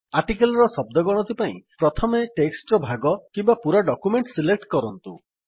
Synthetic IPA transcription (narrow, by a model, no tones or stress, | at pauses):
aɾʈikelɔɾɔsɔb̚d̪ɔɡɔɽ̃ɔt̪ʰipaḭ̃pɾɔt̪ʰɔmeʈeksʈɾɔbʱaɡɔkimbapuɾaɖɔkumeɳʈsilek̚ʈkɔɾɔnt̪ṵ